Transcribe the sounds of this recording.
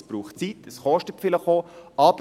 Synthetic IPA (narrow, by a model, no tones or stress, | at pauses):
sb̥ɾuːχtt͡sitəsχɔʃtəfɪləχoːʔɑb